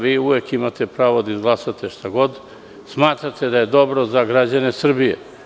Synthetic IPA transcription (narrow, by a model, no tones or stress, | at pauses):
ʋiːuʋekimat̪epɾaːʋod̪aizɡlˠasat̪eʃt̪aɡo̞d̪ | smaːt̪ɾat̪ʰe̞d̪aje̞d̪o̞bɾo̞zaɡɾad͡ʑanesr̩bijḛ